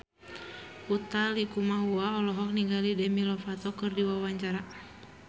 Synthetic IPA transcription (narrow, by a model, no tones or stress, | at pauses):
ut̪alikumaɦuaɔlɔɦɔk̚niŋɡalidɛmilɔfat̪ɔkɨrdiwawaɲt͡ʃaɾa